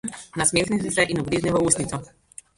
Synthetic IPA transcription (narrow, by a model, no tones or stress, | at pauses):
nasmʲexnisisɛʔinuɡɾiːʒnɛʋɔusnit̪sɔ